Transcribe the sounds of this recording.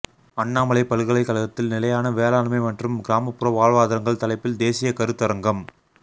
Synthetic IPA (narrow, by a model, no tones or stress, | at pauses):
ɐɳːaːmɐɭɐɪpɐɻɯɣɐɭɐɪkːɐlɐɣɐt̪ːɪlnɪlɐjaːnɐʋeːlaːnmɐɪmɐndrɯmɡɪɾaːmɐpːɯɾɐʋaːɻʋaːðɐɾɐŋɡɐɭt̪ɐlɐɪpːɪld̪eːsɪjɐkɐɾɯt̪ːɐɾɐŋɡɐm